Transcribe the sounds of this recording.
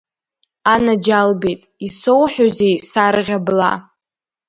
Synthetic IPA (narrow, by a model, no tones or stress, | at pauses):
anad͡ʒalbejtʼisowħʷᶣozejsarʁʲabla̰